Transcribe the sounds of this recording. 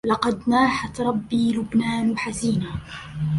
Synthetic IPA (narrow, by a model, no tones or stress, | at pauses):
lɑqɑd̪naːħat̪ɾˤɑbːiːlʊbnaːnħaziːnaː